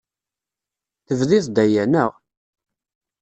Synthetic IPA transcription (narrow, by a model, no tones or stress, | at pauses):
θəvðiθd̪æjænəʁ